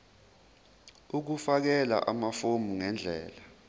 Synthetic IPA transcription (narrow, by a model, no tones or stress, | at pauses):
uk̬ufak̬ɛla̰ʔamafomuŋɛnd͡ɮʱɛ̰ːla